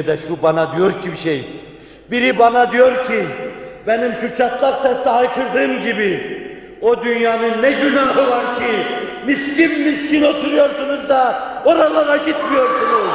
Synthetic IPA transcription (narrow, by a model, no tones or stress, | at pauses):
d̪ɛʃubanad̪ijo̞ɾcʰibiʃej | biɾibanad̪ijo̞ɾcʰibɛnimʃut͡ʃʰat̪lˠaksɛst̪ɛɦajkʰɯɾd̪ɯːmɟibi | od̪ynjaːnɯnːɛɟynaɦɯvaɾcʰimiscinmiscino̞t̪ʰuɾujo̞ɾsunuzd̪ao̞ɾalˠaɾaɟit̪mijo̞ɾsunuz